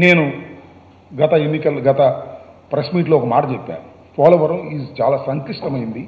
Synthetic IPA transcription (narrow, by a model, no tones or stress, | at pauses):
ne̞ːnu | ɡɐt̪ɐenːikɐlɡɐt̪ɐ | pɾɐsmiːʈloːɔkɐmaːʈɐt͡ʃepːa̰ːɾu | pʰaːloːʋɐɾiːzt͡ʃaːlaːsɐnt̪iʂʈɐmɐjind̪i